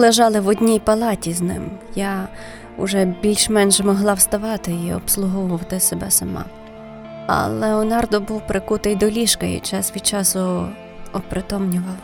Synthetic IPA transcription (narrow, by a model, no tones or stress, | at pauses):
lˠeʒɑlˠɪʋɔdʲnʲijpɐlˠɑtʲiznɪ̰mja | ʊ̰ʒɛbʲilʲʃmɛnʒɛmɔɦlˠɑwst̪ɐʋɑt̪ɪiɔ̰pslˠʊɦɔwɔwt̪ɪsebɛsɐmɑ̰ | ɐ̰lˠeɔnɑrd̪ɔbuwpɾɪkut̪ɪjd̪ɔlʲiʃkɐjḭt͡ʃɑsʋʲid̪ʲt͡ʃɑsʊ | ɔpɾɪt̪ɔmnʲʊʋɐlˠ